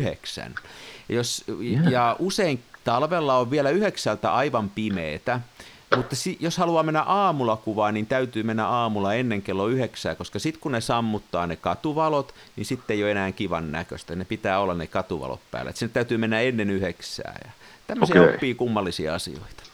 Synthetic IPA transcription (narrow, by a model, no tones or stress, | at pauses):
yhḛksæ̰njosjɑuseiŋt̪ɑlʋelːɑoʋʋielæyheksælt̪æ̰ʔɑiʋɑmpimeːt̪æ | mut̪ːɑsijoshɑluɑːmenːæ̰ʔɑːmulɑkuʋɑːnnint̪æyt̪yːmenːæ̰ɑːmulɑenːeŋkelːoyheksæ̰ːkoskɑsit̪kunesɑmːut̪ːɑːnekɑt̪uʋɑlot̪ | ninsit̪ːeijoenæːŋkiʋɑ̰nnæ̰kø̰st̪ænepit̪æːolːɑnnekɑt̪uʋɑ̰lo̰t̪pæ̰ːlæ̰et̪sinet̪æyt̪yːmenːæenːenyheksæ̰ːjɑ̰t̪æmːøsiɑpːiːkumːɑlːisiɑ̰ɑsḭo̰it̪ɑ̥